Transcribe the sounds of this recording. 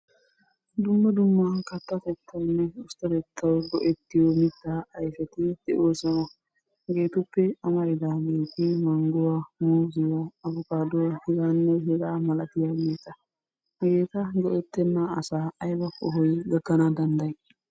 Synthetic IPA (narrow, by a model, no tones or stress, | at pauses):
d̪ʊmːɐd̪ʊmːakɐt̪ːɐt̪ɛt̪ːɐwnːɛʊst̪ɐd̪ɛt̪ʰːɐwɡɔʔɛt̪ːɪjomɪt̪ːaːjfɛt̪ɪd̪̥ɛʔoːsɐwɐ | ɡe̞ːt̪ʊpːɛɐmɐɾɪd̪aːɡe̞ːt̪ɪmɐŋɡʊwamuːzɪwaɐbʊkaːd̪ʊwahɪɡanːɛhɛɡaːmɐlɐt̪ɪjaːɡe̞ːt̪ɐ | ɡe̞ːt̪ɐɡɔʔɛt̪ːɛnːaːsaːɐjbɐkɔɦɔjɡɐɡːɐnɐd̪ɐnd̪ɐj